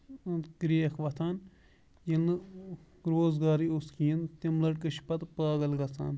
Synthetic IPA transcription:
kɾikʰʋɐt̪ʰaːn | jinɨ | ɾoːzɡaːɾioskiːnt̪imlɐʈkəʃpɐt̪paːɡɐlɡɐt̪ʰa̰ːn

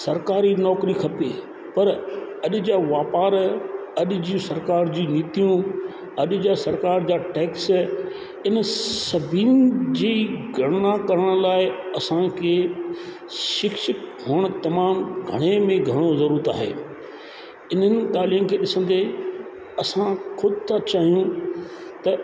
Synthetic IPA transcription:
sɐɾkaːɾinɔːkɾikʰɐpeː | pɐɾɐʄʊd͡ʑaːʋaːpaːɾɐʄɪ̆d͡ʑiũsɐɾkaːɾd͡ʑiːniːt̪ijũ | ɐʄ̆d͡ʑaːsɐɾkaːɾd͡ʑaːʈeːks | ɪnsɐbʱiːnd͡ʑiːɡʱɐɽ̃nakɐɾəɽ̃laːɪɐsãkʰe | ʃɪkʃɪkɦoːɽ̃t̪ɐmaːmɡʱɐ̰ɽ̃emẽɡʱɐɽ̃ozɐɾuːɾət̪a̰ːɦḛː | ɪn̤ənɪ̆t̪aːlijənkʰeːɗɪsə̃n̆d̪e | ɐsãxʊd̪t̪ʰat͡ɕaːɦijũ | t̪ɐ

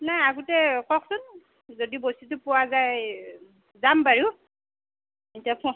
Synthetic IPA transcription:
najaɡutɛkɔksʊn | zodibositʊpʊwazaj | zambaɹi | intiapɔ

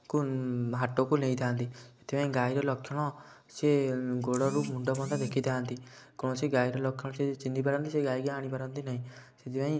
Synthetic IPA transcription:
kuɦaʈokuleĩd̪ʱʰãːnt̪iet̪ʰipãĩɡaːiɾɔlɔkʰjɔɽ̃ɔ | seɡoɽɔɾumuɳɖɔpɔnt̪ad̪ekʰid̪ʰʱãnt̪ikɔɽ̃ɔseɡaːiɾɔlɔkʰjɔɽ̃ɔ̃set͡ʃind̪ipaɾɔ̃nt̪iseɡaːiɡiaːɽ̃ipaɾɔ̃nt̪inaɦĩset̪ʰipãĩ

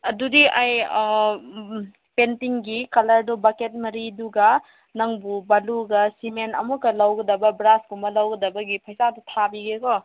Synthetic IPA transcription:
ɐdudiʔaj | pentiŋɡikɐlɐɾdɔbaket̚mɐɾiduɡɐ | nɐŋbubaluɡɐsimenɐ̰mukɐlawɡɐdɐbɐbɾaskumɐlawɡɐdɐbɐɡipʰɐjsadutʰabiɡekɔ

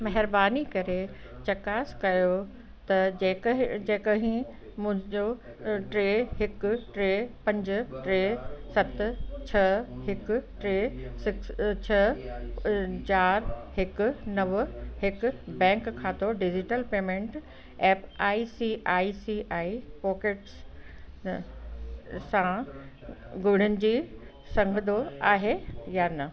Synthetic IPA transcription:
mɐɦɪɾbaːnikɐɾe | t͡ɕɐkaːskɐjo | t̪ɐː | d͡ʑeːkəɦĩ | mʊ̃ɦɪ̃ɲd͡ʑo | ʈɾeːɦɪkʊʈɾeːpɐ̃ɲd͡ʑɪʈɾeːsɐt̪t͡ɕʰɐhɪkʊ̆ʈɾeːsɪkst͡ɕʰɐ | t͡ɕaːɾɦɪkʊ̆nɐʋɦɪkʊ̆bɛ̃ːŋkʰːãːt̪ʰoɖɪd͡ʑɪʈəlpeːmẽɳʈ | ɛːpaːisiʔaːisiʔaːipɔːkeʈs | sã | ɡʊɽ̤ɪnɪ̆d͡ʑiː | sɐ̃ŋɡʱəd̪oaːɦejanɐ

